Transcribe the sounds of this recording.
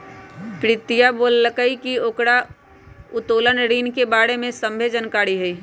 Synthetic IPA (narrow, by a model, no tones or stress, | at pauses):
pɾɪt̪ijaboːlːəkəikioːkɾa | ʊt̪oːlənɾiːnkebaːɾemẽsə̃mbʱed͡ʒənkaːɾiɦɛi